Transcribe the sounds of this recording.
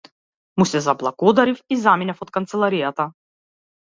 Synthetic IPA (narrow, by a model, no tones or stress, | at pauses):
musɛzablˠaɡɔd̪aɾifizaminɛfɔt̪̚kant̪sɛlˠaɾijat̪a